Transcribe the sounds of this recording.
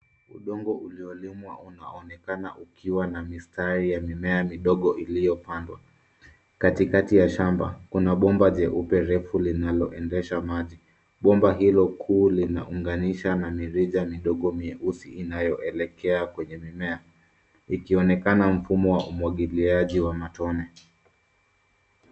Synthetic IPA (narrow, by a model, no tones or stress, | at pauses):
uɗɔŋɡɔʔuliɔlimwaʔuna̰ɔnɛkanaʔukʰiwanamistaɾijamimɛamiɗɔɠɔʔilijɔpandwa̰ | katikatijaʃamba̰kunaɓɔmbaʄɛʔupɛɾɛfulinalɔ̰ʔɛndɛʃamaʄi | ɓɔmbaɦilɔkʰuːlina̰ʔuŋɡaniʃanamiɾiʄamiɗɔɠɔmiɛʔusiʔinajɔʔɛlɛkɛakwɛɲɛmimɛa | ikiɔnɛkanam̩fumɔwaʔumwaɠiliaʄiwamatɔnɛ